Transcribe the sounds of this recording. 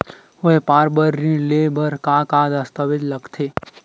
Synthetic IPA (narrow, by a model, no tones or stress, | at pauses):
ʊɦepaːɾbəɾːĩlebəɾkaːkaːd̪ɐst̪əʋɪd͡ʒ̪ləkt̪ʰeː